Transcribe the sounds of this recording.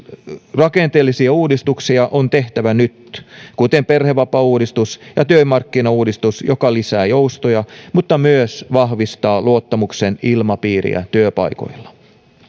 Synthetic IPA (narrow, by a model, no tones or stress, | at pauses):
rɑkent̪eːlːisiæuːdist̪uksiɑʔont̪eht̪æʋænyt̪kut̪emperheʋɑpɑuːdist̪usjɑt̪øimɑrkːinɑuːdist̪usjokɑlisæːjoust̪ojɑmut̪ːɑmyøsʋɑhʋist̪ɑːluot̪ːɑmuksenilmɑpiːɾḭæ̰t̪yøpɑ̰iko̰ilːɑ̥